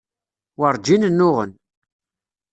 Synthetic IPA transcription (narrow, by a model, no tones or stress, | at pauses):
wəɾˤd͡ʒinənːʊʁə̰n